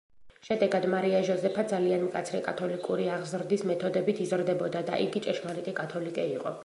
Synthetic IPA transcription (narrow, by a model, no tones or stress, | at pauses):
ʃɛd̪ɛɡad̪maɾiaʒɔzɛpʰad̪zalianmkʼa̰t̪sʰɾɛkʼat̪ʰɔlikʼuɾiaʁzɾd̪ismɛt̪ʰɔd̪ɛbit̪ʰizɾd̪ɛbɔd̪ad̪a̰ʔiɡit͡ʃʼɛʃmalit̪ʼɛkʼat̪ʰɔlikʼɛiqʼɔ̰